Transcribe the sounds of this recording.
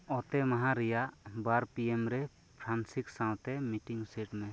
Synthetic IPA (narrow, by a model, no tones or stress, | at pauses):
ɔt̪ɛmaɦãɾijaʔbaɾpiemɾɛ | pʰɾansiksãwt̪ɛmiʈiŋseʈmɛ